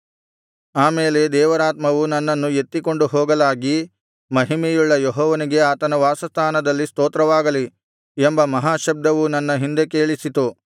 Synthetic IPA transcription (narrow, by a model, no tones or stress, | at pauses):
aːmeːle̞d̪ɛːʋɐɾaːt̪mɐʋunɐnːɐnːue̞t̪ːiko̞ɳɖuɦɔːɡɐlaːɡi | mɐɦimɛjuɭːɐjeɦɔːʋɐniɡe̞aːt̪ɐnɐʋaːsɐst̪ʰaːnɐd̪ɐlːist̪oːt̪ɾɐʋaːɡɐli | embɐmɐɦaːʃɐb̚d̪ɐʋunɐnːɐɦind̪e̞keːɭisit̪u